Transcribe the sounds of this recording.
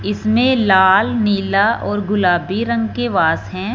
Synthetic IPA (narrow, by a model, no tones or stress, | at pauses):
ɪsmẽlaːlniːlaʔɔːɾɡʊlaːbiɾɐ̃ŋɡkeʋaːsɦɛ̃ː